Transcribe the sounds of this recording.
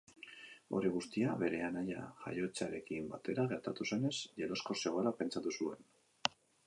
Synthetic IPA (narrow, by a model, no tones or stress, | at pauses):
o̞̰ɾiɣ̞ust̪iaβe̞ɾe̞anaja̰ʝa̰jo̞t͡saɾe̞kimbat̪e̞ɾaɣe̞ɾt̪at̪use̞ne̞zʝelo̞sko̞se̞ɣoalape̞nt͡sat̪usue̞n